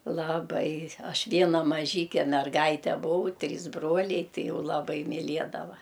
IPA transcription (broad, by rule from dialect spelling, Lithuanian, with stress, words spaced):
lˠɐˈbɐɪ ˈɐʃ ˈʋʲiɛnɐ mɐˈʒʲiːkʲɛ mʲɛrˈɡɐɪtʲɛ bʊˈɐʊ ˈtʲrʲiːs ˈbroːlʲɛɪ ˈtɐɪ ˈjɛʊ lˠɐˈbɐɪ mʲɪˈlʲiɛdɐʋɐ